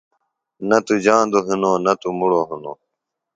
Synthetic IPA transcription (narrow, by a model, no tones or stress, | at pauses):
nɐt̪ud͡ʑãːnd̪oɦunoːnɐt̪umuɽoɦuno̰ː